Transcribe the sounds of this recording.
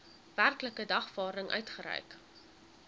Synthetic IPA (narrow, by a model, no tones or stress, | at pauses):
værkləkədɐχfɑːɾəŋʔœ̰ɥtχəɾɛ̰jk